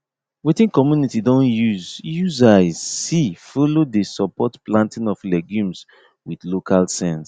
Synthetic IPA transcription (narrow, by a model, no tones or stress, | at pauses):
wetĩnkɔmjunitidɔ̃njuzjuzaɪsifolodesɔpɔtplãntĩnɔflɛɡjũms | wiðlokʰalsɛ̃ns